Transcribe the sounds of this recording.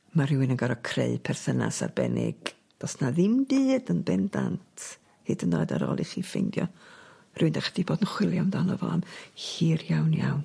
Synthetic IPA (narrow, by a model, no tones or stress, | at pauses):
marɪwɪnənɡaɾɔkʰreɨpʰɛrθəna̰sa̰rbɛnʔɪ̰ɡ̥ | d̥ɔsnaðɪmbɨːdənbɪndantʰ | hɨdənːoːɨda̰ɾɔ̰lˠiχiːfejndjɔ | rɪwɨndɛχdiboːdənχwɪlˠjamdanɔvɔ̰amhiːrjawnjawn